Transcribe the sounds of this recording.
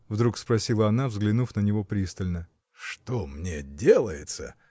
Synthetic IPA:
vd̪ɾukspɾɐsʲilˠəɐnavzɡlʲɪnufnənʲɪvo̞pɾʲist̪əlʲnə | ʂt̪omnʲedʲelˠəjɪt̪sə̰

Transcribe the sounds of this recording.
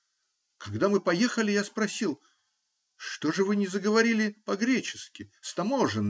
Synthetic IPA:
kɐɡd̪amɨpɐje̞xəlʲɪjaspɾɐsʲilˠ | ʂt̪o̞ʐɨvɨnʲɪzəɡəvɐɾʲilʲɪpɐɡɾʲet͡ɕɪ̥skʲɪst̪ɐmo̞ʐɨn

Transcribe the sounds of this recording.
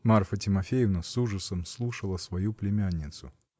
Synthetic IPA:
marfətʲɪmɐfʲejɪvnəsuʐəsəmslˠuʂəlˠəsvɐjuplʲɪmʲanʲːɪt̪sʊ

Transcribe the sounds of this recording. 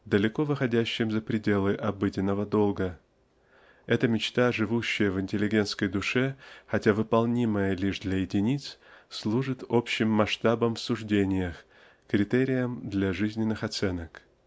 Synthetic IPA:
d̪əlʲɪko̞vɨxɐdʲæɕːɪmzəpɾʲɪdʲe̞lˠɨʔɐbɨdʲɪnːəvəd̪o̞lˠɡə | ɛt̪əmʲɪt͡ɕt̪aʐɨvuɕːɪjəvɪnʲtʲɪlʲːɪɡʲe̞nt̪skəjd̪ʊʂɛxɐtʲavɨpɐlˠnʲiməjəlʲiʐd̪lʲɐjɪdʲɪnʲit̪sslˠuʐɨt̪o̞pɕːɪmːɐʂt̪abəmfsʊʐdʲenʲɪjəx | kɾʲɪt̪eɾʲɪjəmd̪lʲaʐɨzʲnʲɪnːɨxɐt̪sɛnək

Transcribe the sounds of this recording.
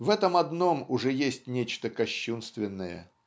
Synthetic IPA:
vɛt̪əmɐd̪nomʊʐɛjesʲtʲnʲet͡ɕt̪əkɐɕːunst̪vʲɪnːəjə̰

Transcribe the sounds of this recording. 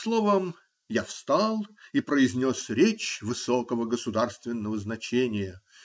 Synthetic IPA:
slˠovəm | jafst̪alˠipɾəɪzʲnʲosɾʲet͡ɕvɨsokəvəɡəsʊd̪arst̪vʲɪnːəvəznɐt͡ɕenʲɪjə

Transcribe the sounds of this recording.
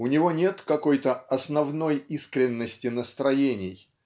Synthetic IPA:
ʊnʲɪvo̞nʲe̞t̪kɐko̞jt̪əɐsnɐvno̞jiskɾʲɪnːəsʲtʲɪnəst̪ɾɐjenʲɪj

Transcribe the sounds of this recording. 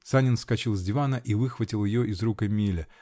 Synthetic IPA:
t̪sanʲɪnskɐt͡ɕilˠzʲdʲɪvanəʔivɨxvətʲɪlˠjɪjoʔɪzrukəmʲilʲɪ

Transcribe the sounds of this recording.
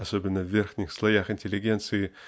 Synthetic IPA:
ɐso̞bʲɪnːəvvʲerxnʲɪxslˠɐjaxɪnʲtʲɪlʲɪɡʲe̞nt̪sɨɪ

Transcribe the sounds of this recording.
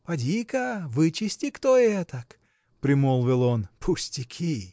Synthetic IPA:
pɐdʲikɐvɨt͡ʃɪsʲtʲɪkt̪oɛt̪ək | pɾʲɪmolˠvʲɪlˠonpʰʊsʲtʲɪkʲʰi

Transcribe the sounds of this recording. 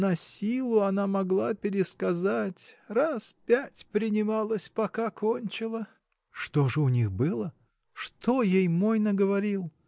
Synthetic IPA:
nɐsʲilˠʊɐnamɐɡlˠapʲɪɾʲɪskɐzatʲraspʲætʲpɾʲɪnʲɪmalˠəsʲpɐkakʰonʲt͡ɕɪlˠə | ʂt̪o̞ʐɨʊnʲixbɨlˠə | ʂt̪ojejmojnəɡəvɐɾʲilˠ

